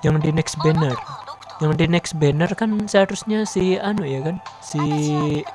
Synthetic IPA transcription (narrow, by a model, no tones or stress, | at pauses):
jaŋdinɛksbɛnər | jaŋdinɛksbɛnərkansəhaɾusɲasianujakansi